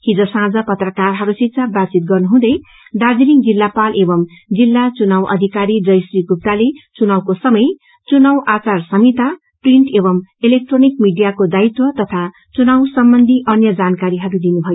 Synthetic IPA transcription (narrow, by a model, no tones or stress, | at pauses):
hid͡zosãd͡zʌpʌt̪rʌkarɦʌɾusitsʰabat͡sit̪̚ɡʌrnuɦũd̪ʌj | ɖad͡ziɾiŋd͡zilːapalʔebʌm | d͡zilːat͡sunawʔʌ̰d̪ʱikaɾid͡zʌjsriɡup̚t̪alet͡sunawkosʌmʌj | t͡sunawʔat͡sarsʌmit̪a | priɳʈebʌmelek̚ʈronik̚miɖijakod̪ait̪wʌt̪ʌt̪ʰa | t͡sunawsʌmbʌnd̪ʱiʔʌnjʌd͡zankaɾiɦʌɾud̪inubʱʌjo